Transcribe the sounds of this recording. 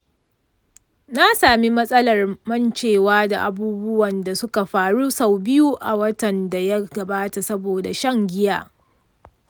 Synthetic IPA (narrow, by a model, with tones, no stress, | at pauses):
na˦saː˨mi˦mɐ˦sʼɐ˦lɐ˨rmɐ˦nt͡ʃeː˨waː˦da̰˨ʔa˨buː˦bʊ˦wɐ˨nda˨sʊ˦ka˨ɸaː˨ɽu˦sa˦˨wbɪ˦ju˦ʔa˨wɐ˦tɐ˨nda˨ja˦ɡɐ˨baː˦ta˨sɐ˦boː˨da˨ʃɐ˦ŋɡʲɪ˦jaː˦